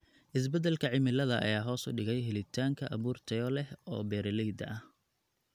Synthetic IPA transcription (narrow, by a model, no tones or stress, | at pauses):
ʔɪs̬bɛd̪ɛlkʰɐʕɪmɪlɐðɐʔɐ̰jaːɦɔːsʊ̰ɖɪɣɛjɦɪlɪt̪ʰaːŋkʰɐʔɐβuːrt̪ʰɐjɔlɛhɔ̰ːbɛːɾɐlɛjd̪ɐʔɐh